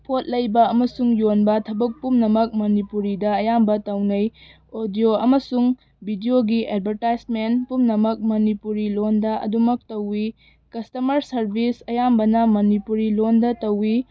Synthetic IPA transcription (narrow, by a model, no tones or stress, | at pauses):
pʰot̚lɐjbɐɐmɐsuŋjonbɐtʰɐbɐk̚pumnɐmɐk̚mɐnipuɾidɐɐjambɐtɐwnɐj | odijoɐmɐsuŋ | bʱidioɡiedbʱɐɾtajsmentpumnɐmɐk̚mɐnipuɾilondɐʔɐ̰dumɐk̚tɐwːi | kɐstɐmɐɾsɐɾbʱisɐjambɐnɐmɐnipuɾilondɐtɐwːi